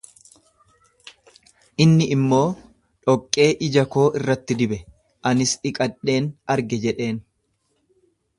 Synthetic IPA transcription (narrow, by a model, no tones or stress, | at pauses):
ʔɪnːɪʔɪmːo̞ː | ᶑɔkʼːe̞ːʔɪd͡ʒɐko̞ːʔɪrːɐt̪ːɪd̪ɪbɛ | ʔɐnɪsᶑɪkʼɐᶑe̞ːnɐɾɡɛd͡ʒɛᶑe̞ːn